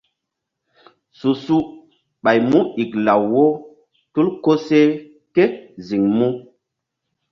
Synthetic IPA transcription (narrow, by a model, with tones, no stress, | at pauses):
su˨su˦ | ɓa˨jmu˦i˨kla˨wːo˦ | tu˦lko˦se˦ | ke˦zi˨ŋmu˦